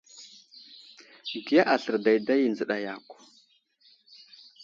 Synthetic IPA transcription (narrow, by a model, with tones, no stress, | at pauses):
ɡi˨ja˦ʔa˨ɬə˨ɾda˨jda˦ji˨nzə˨ɗa˨ja˨kʷ